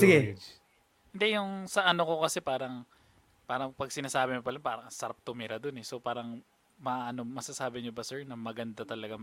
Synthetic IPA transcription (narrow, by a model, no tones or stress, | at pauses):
sɪɡɛ | ɪnd̪ɛjʊŋsɐʔɐno̞ko̞kɐsɛpaːɾɐŋ | paːɾɐŋpɐɡ̚sɪnaːsaːbɪmopɐlɐpaːɾɐŋsɐɾap̚t̪ʊmɪɾɐd̪onɛsopaːɾɐŋ | mɐʔʔɐno̞mɐsasaːbɪɲobɐsɛɹnɐmɐɡɐnd̪at̪ɐlɐɡa